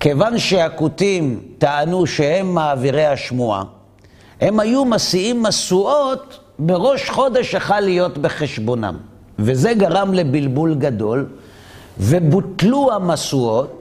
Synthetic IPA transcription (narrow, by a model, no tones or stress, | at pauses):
ke̞vanʃeakutimt̪aanuʃehe̞mːaːviʁejhaʃmua̰ | he̞mhajumasiimːasuot̪ | be̞ʁo̞ʃχo̞de̞ʃjeχalːijo̞t̪beχe̞ʃbo̞na̰m | veze̞ɡaʁamle̞bilbulɡad̪o̞l | ve̞butluamasuo̞t̚